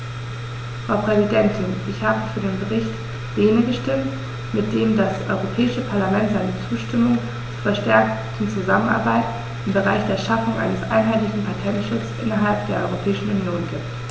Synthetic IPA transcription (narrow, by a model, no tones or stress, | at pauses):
fʁ̥aʊpʁ̥ɛzidɛntʰɪnʔɪçhaːbəfyːɐdeːnbəʁ̞ɪçt | d̥eːnəɡəʃtɪmt | mɪt̚d̥eːmdasʔɔ̰ʏʁopʰɛːɪʃəpʰaɐlamɛntz̥aɪnət͡suːʃtɪmʊŋ | t͡suːɐfɛɐʃtɛɐk̚tn̩t͡suzamənʔa̰ɐbaɪt | ʔɪmbəʁaɪçd̥eːɐʃafʊŋʔa̰ɪnəsʔa̰ɪnɦaɪtlɪçn̩pʰaɐtʰɛntʃʊt͡sʔɪnɐɦalp̚d̥eːɐʔɔ̰ʏʁopʰɛːɪʃn̩unjoːnɡiːp̚t